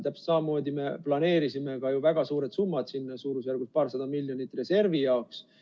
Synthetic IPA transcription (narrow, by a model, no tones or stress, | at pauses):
t̪æpst̪sɑmɑmo̞ːd̪ime̞plɑne̞ːɾisimekɑjuvæɡ̥ɑsuːɾet̪sumːɑd̪̥sinːsuːɾusjærɡ̥uspɑːrsɑd̪̥ɑmilʲjonit̪ːˑre̞se̞rvijɑoks